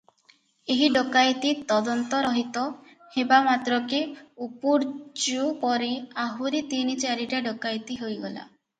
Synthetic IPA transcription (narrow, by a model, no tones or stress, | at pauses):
eɦiɖokajt̪it̪ɔd̪ɔnt̪ɔɾɔɦit̪ɔ | hebamat̪ɾɔkeupuɾd͡ʒupɔɾiaɦuɾit̪init͡ʃaɾiʈaɖokajt̪iɦojɡɔla̰